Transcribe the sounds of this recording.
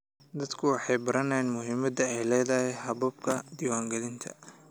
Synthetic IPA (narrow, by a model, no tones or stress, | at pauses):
d̪ɐd̪kʰʊwɑħɑjbɐɾɐnɛjnmʊɦɪmɐd̪ɐɛjlɛːðɐhɛɦɐβɐb̚kʰɐd̪iːwaːŋɡɐlɪnt̪ʰɐ̥̰